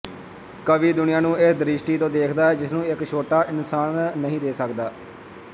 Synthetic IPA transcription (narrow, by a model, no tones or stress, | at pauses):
kəʋiːd̪ʊnɪjãːnũːɪsd̪ɾɪʃʈiːt̪õːd̪eːkʰd̪aːɦɛːd͡ʒɪsnũːɪkʃʰoːʈaːʔɪnsaːnːəɦĩːd̪eːsəkd̪aː